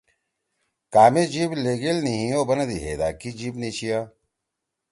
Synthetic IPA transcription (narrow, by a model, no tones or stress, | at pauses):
kaːmed͡ʑiːbleːɡelniɦĩjoːbɐnɐd̪iɦḛːd̪a̰ːkid͡ʑiːbnit͡ɕʰijaː